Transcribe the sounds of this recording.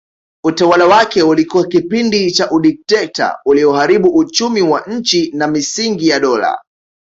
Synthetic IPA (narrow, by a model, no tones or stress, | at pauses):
utawalawakɛulikuwakipindit͡ʃaʔuɗik̚tɛk̚ta̰uliɔɦaɾiɓuʔut͡ʃumiwaɲ̩t͡ʃinamisiŋɡijaɗɔla̰